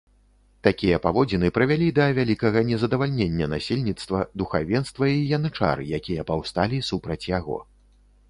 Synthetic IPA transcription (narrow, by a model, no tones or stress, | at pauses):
t̪akʲijɐpavɔd͡zʲinɨpɾɐvʲalʲid̪ɐvʲalʲikɐɣɐnʲɛzɐd̪ɐvalʲnʲenʲːɐnasʲelʲnʲit̪st̪vɐd̪uxavʲɛnst̪vɐijanɨt͡ʂa̰ɾɨ̰jakʲijɐpawst̪alʲisupɾɐt͡sʲjaɣɔ̰